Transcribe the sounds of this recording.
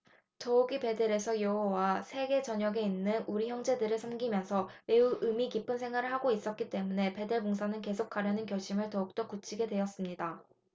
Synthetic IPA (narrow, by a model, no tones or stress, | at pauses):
tʌuɡipe̞deɾe̞sʰʌjoɦowasʰe̞ɡe̞t͡ɕʌɲʌɡe̞inːɯnuɾiçjʌŋd͡ʑe̞dɯɾɯɭsʰʌnɡimjʌnsʰʌme̞uɯmikip͈ʰɯnsʰe̞ŋɦwaɾɯɭhaɡois͈ʌt̚k͈it͈e̞mune̞pe̞deɭmoŋsʰanɯnke̞sʰok̚k͈aɾjʌnɯnkjʌɭɕʰimɯɭtʌuk̚t͈ok͈ut͡ɕʰiɡe̞dwe̞ʌs͈ɯmɲida